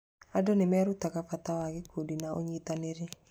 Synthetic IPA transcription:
adonemɛːɾutaɣafatawaɣekuːdinaoɲiːtaneɾe

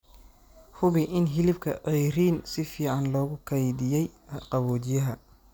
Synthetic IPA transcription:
hʊβiʔɪnɦɪlɪb̚kʰɐʔɛjriːnsɪfiːʕɑnlɔːɣʊkʰɐjd̪ɪjɛjqɑβɔːt͡ʃɪjɐɦɐ

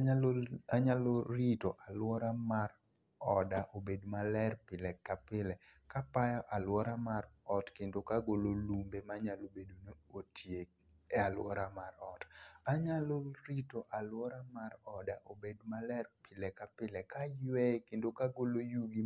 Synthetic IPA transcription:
aɲaloɾitoʔalwɔɾamar | ɔdaʔobedmalɛrpɪlɛkapɪlɛkapajɔʔalwɔɾamaɾɔtkendokaɡololumbemaɲalobedunootʰje | ɛalwɔɾamaɾɔtaɲaloɾitoʔalwɔɾamaɾɔdaʔobedmalɛrpɪlɛkapɪlɛkajwɛkendokaɡolojuɡi

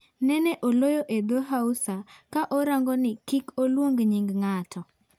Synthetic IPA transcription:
nɛnɛʔolojoʔed̪oɦausakaʔoɾaŋɡɔnɪkikolwoŋɡɲiŋɡŋatʰɔ

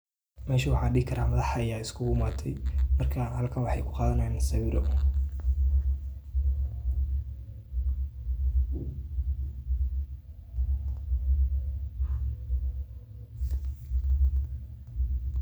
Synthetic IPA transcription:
mɛːʃiwɑħɑːɖɪːɡɪkʰɐɾaːmɐðɑħɑjaːɪskʰʊɡʊmaːt̪ʰɛjmɐrkʰahɐlkʰɐnwɑħɑjkʰʊqɑːðɐnaːnɪsɐβɪɾɔ̰

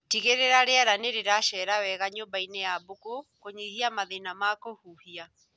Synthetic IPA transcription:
tiɣeɾeɾaɾeaɾaneɾeɾaʃɛɾawɛɣaɲombainejabokokoɲihiamaðenamakohuhia

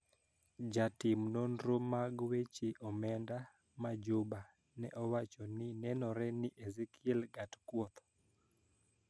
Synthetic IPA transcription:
d͡ʒatɪmnɔndɾomaɡwet͡ʃiʔɔmɛnda | mad͡ʒuba | nɛ̰ʔɔwat͡ʃɔnɪnɛnɔɾɛnɪʔezikʰɪɛlɡatkwɔt̪ɔ

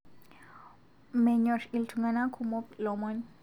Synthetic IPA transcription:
mɛɲɔʃiltʰuŋɡanakʰumɔplɔmɔɲ

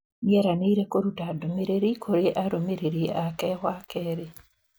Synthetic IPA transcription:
nieɾaneiɾekoɾutadomeɾeɾikʰoɾeʔaɾomeɾeɾiʔakewakeːɾi

